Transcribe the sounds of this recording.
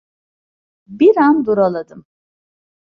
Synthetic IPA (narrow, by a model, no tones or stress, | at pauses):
biɾand̪uɾalˠad̪ɯm